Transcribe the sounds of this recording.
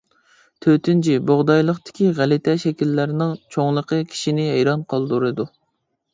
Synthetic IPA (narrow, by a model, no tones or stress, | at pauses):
t̪ʰøt̪ɪnt͡ʃʰiboʁd̪ɑjlˠəqt̪ɪ̥kʲiʁælɪt̪ʰɛʃɛkʲilːæɾnɪŋt͡ʃʰoŋlˠəqʰəkʲʰi̥ʃinɪɦɛjɾɑnqʰɑlˠd̪uɾɨd̪u